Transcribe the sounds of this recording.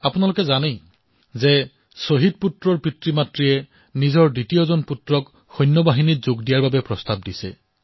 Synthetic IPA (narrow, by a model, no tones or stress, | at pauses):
apunalʊkɛzane | zɛ | soɦid̚putɹɔɹpɹitɹimatɹijɛ | nizɔɹditijɔzɔnputɹɔk | xɔjnːɔbaɦinitzoɡdijaɹbabɛpɹɔstab̚disɛ̰